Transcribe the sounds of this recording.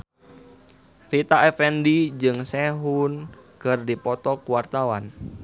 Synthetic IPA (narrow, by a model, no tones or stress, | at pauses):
rit̪aʔɛfɛndid͡ʒɨŋsɛɦunkərdipɔt̪ɔkuwart̪awa̰n